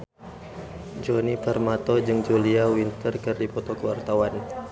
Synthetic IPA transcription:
d͡ʒɔnipərmat̪ɔd͡ʒɨŋd͡ʒuliawint̪ərkɨrdipɔt̪ɔkəwart̪awan

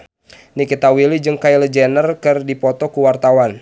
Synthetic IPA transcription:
nikit̪awilid͡ʒɨŋkailəd͡ʒɛnərkɨrdipɔt̪ɔkuwart̪awan

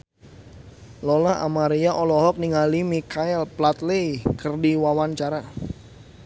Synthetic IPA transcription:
lɔlaʔa̰maɾiaʔɔlɔɦɔk̚niŋalimikaɛlplat̪lejkərdiwawant͡ʃaɾa

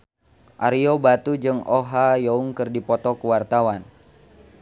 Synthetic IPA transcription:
ʔaɾiobat̪ud͡ʒɨŋoɦajɔuŋkɨrdipɔt̪ɔkuwart̪awan

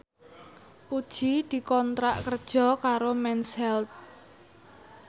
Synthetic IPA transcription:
pud̥ʒ̥id̪̥i̤kɔnt̪ɾaʔkərd̥ʒ̥ɔ̤kaɾomɛnshɛlt̪̚

